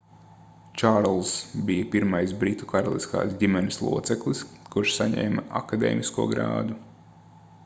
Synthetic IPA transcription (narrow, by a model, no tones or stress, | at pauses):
t͡ʃaɾlˠsbijɐpiɾmajsbɾit̪u̥kaɾalˠḭska̰ːsɟʲimɛnɪslˠṵɔt̪sɛklˠiskuɾʃsaɲɛ̰ːmɐa̰kad̪ḛːmiskuɔɡɾa̰ːd̪u